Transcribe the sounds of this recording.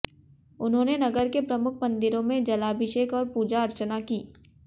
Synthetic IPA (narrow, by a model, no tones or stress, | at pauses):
ʊnɦõːnenɐɡəɾkepɾɐmʊkʰmɐ̃nd̪ɪɾõmẽd͡ʒɐlaːbʱɪʃeːkɔːɾpuːd͡ʒaɐɾt͡ʃənakiː